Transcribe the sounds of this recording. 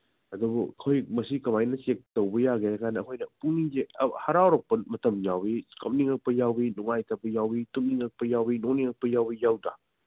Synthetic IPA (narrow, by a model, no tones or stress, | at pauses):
ɐdubukʰojmɐsikɐmajnɐsek̚towbɐjaɡeakʰanɐːkʰojnɐpunizeɐhɐɾawɾɐk̚pɐmɐtɐmjawikɐmniŋɐk̚pɐjawinuŋajtapɐjawbitumniŋɐk̚pɐjawbinoniŋɐk̚pɐjawbijawda